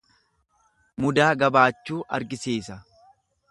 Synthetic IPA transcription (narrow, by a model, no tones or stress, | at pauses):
mʊd̪aːɡɐbaːt͡ʃːuːʔɐ̰ɾɡɪseːsɐ